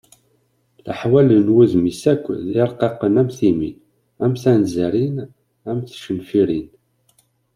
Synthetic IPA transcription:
ləħwælənwæðmisækʷːðɪɾˤqɑqənæmθimin | æmθænzæɾin | æmθʃəlfiɾin

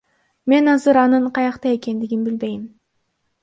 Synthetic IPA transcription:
me̞nɑzɯɾɑnɯɴqʰɑjɑqt̪ɑje̞ke̞nd̪iɡinbilbe̞jim

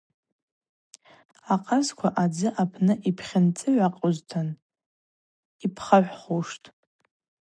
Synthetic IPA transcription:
aqʼazkʷʰaʔad͡zɨʔapʰnɨʔipʰχʲɪnt͡sʼɨʕʷaqʼoztʰan | ipʰχaħʷᶣχuʂtʼ

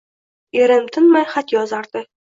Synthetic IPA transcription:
eɾɪmt̪ʰɪnmajχat̪jɒzaɾd̪̥ɪ

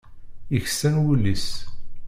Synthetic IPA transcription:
içsænwulːis

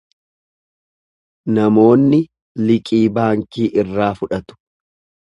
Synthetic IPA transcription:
nɐmo̞ːnːɪ | lɪkʼiːbaːŋkiːʔɪrːaːfʊᶑɐt̪ʊ̥

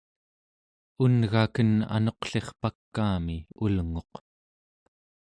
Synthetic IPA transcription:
unɣakəna̰noqɬe̞χpakːaːmiulŋo̞q

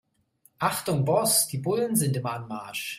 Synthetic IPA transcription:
ʔaχtʊŋbɔsd̥iːbʊlənzɪntɪmɐanmaɐʃ

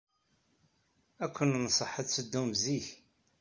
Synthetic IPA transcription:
ækʷːənnəsˤəħəsəd̪ːumziç

